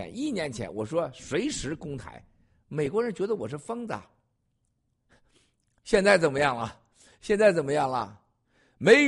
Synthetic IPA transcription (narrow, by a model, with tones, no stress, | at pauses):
ɛ̰˧˥ni˥˩njɛ˧˥nt͡ɕʰjɛ̰˧˥nwɔ˨˩ʂwɔ˥ʂwe˧˥ɪʂɻ̩˧˥kʊ˥ŋt̪ʰa̰˧˥ɪ | me˨˩ɪkwɔ˧˥ɻə˧˥nt͡ɕɥɛ˧˥d̪ə˧wɔ˨˩ʂ̬̩˥˩fɤ˥ŋt͡sa̰˨˩ | ɕjɛ˥˧nt͡sa˥˩ɪt͡sə˨˩nmə˦jɑ˥˩ŋlə˩ | ɕjɛ˥˧nt͡sa˥˩ɪt͡sə˨˩nmə˦jɑ˥˩ŋlə̰˩ | me˧˥